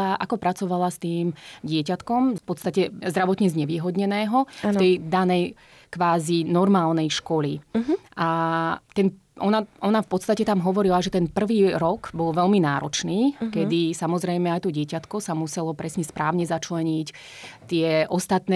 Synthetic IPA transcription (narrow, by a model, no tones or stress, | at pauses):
aʔa̰kɔpɾat͡sɔʋalast̪iːmɟɪɛcat̪kɔmfpɔt̪st̪acɛzd̪ɾaʋɔt̪ɲɛzɲɛʋiːɦɔd̪ɲɛnɛːɦɔft̪t̪ɛjd̪anɛj | kʋaːzinɔɾmaːlnɛjʃkɔliʔat̪ɛn | ʔɔnaɔnafpɔt̪st̪acɛt̪amɦɔʋɔɾilaʒɛt̪ɛnpr̩ʋiːɾɔɡbɔlʋɛlminaːɾɔt͡ʃniːkɛd̪isamɔzɾɛjmɛajt̪ɔɟɪɛcat̪kɔsamusɛlɔpɾɛsɲɛspɾaːʊɲɛzat͡ʃlɛɲic | t̪ɪɛʔɔst̪at̪nɛ